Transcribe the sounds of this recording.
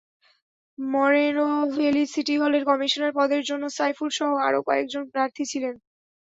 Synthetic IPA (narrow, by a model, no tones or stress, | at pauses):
mɔɾenofelisiʈiɦɔleɾkɔmiʃoneɾpɔd̪eɾd͡ʑonːosajfulʃɔɦoaɾokɔek̚d͡ʑonpɾaɾt̪ʰit͡ɕʰilen